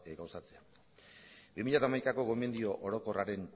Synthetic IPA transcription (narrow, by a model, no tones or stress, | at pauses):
ɡawsat͡se̞a | bimiʎat̪amajkako̞ɣo̞me̞nd̪io̞ʔoɾo̞ko̞raɾe̞n